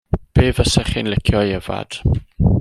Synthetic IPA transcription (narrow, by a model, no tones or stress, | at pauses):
b̥eːvəsɛχinlɪkʰjɔjɛva̰d̥